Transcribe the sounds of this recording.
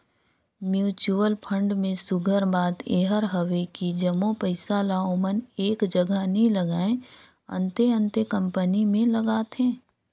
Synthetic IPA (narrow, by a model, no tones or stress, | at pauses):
mjuːt͡ʃuəlpʰə̃ɳɖmẽsʊɡʱəɾbaːd̪eːɦəɾɦəʋekid͡ʒəmopəɪsalaoːməneːkd͡ʒəɡʱənĩləɡaːẽ | ə̰̃nt̪eə̃nt̪ekə̃mpənimẽləɡaːt̪ɦɛ̃ː